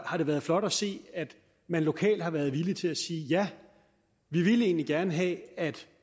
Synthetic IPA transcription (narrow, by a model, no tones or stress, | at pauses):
hɑ̈d̥e̝ʋæːɐð̞̩ˠflɒ̽ɾ̥ɒse̝̰ːæd̥ | mænlo̝kʰɛ̰ːld̥hɑ̈ʋæɐð̞ˠʋilit͡sʰe̝læsiːjæ | ʋiʋiləe̝ːnliɡ̥æɐnəɦɛ̰æd̥